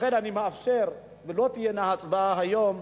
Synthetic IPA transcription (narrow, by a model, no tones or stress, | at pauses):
χenanimeafʃeʁ | velot̪ijenahat͡sʼvaɦajom